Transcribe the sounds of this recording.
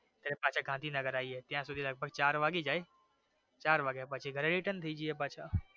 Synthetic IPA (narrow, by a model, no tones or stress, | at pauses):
t̪ɐɾepaːʃʰaɡʱãːnd̪ʱinɐɡəɾaːiɦɛːt̪ɪjãsʊd̪ʱilɐɡ̚bʱəɡ̚t͡ɕaːɾʋaːɡed͡ʒaːe | t͡ɕaːɾʋaːɡepaːt͡ʃʰeɡʱɐɾeɾiʈənɪt̪ʰid͡ʑiɛːp̬aːaː